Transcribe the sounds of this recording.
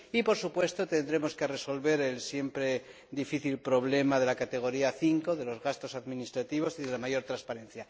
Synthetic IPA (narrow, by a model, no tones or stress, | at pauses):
ipo̞ɾsupwe̞st̪o̞t̪e̞nd̪ɾe̞mo̞skere̞so̞lβe̞ɾe̞lsje̞mpɾe̞ | d̪ifiθilpɾo̞βle̞maðe̞lakat̪e̞ɣ̞o̞ɾiaθiŋko̞ðe̞lo̞zɣast̪o̞saðminist̪ɾat̪iβ̞o̞siðe̞lamaʝo̞ɾt̪ɾanspaɾẽ̞n̟θja